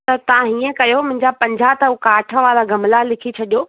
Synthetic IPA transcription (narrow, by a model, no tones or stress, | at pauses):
t̪ɐt̪ɐʋ̤ãɦiːə̃kɐjomʊ̃ɦɪɲd͡ʑapɐ̃ɲd͡ʑʱat̪ɐukaːʈʰə̆ʋaːlaɡɐmlalɪkʰit͡ɕʰɐɗijoː